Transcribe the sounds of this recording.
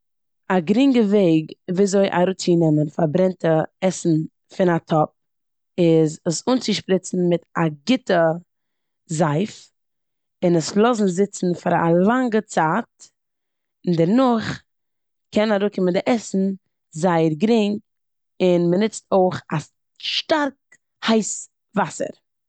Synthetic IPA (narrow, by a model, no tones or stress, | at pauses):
aɡɾɪŋɡəveɪɡviːazoɪʔa̰ɾuːt͡sinɛmənfaɾbɾɛntəɛsn̩ | fɪnatʰɔp̚ | ɪzəsuːnt͡sɪʃpɾɪt͡sn̩mɪtaɡɪtə | zaɪf | ɪnəslˠɔzn̩zɪt͡sn̩faɾa̰lˠaŋɡət͡saːt̚ | ɪndɛɾnʊχ | kɛnaɾuːkɪməndɪʔɛsn̩ | zaɪəɾɡɾɪŋ | ɪnmənɪt͡stoɪχa | ʃtaɾk | haɪs | vasə̰ɾ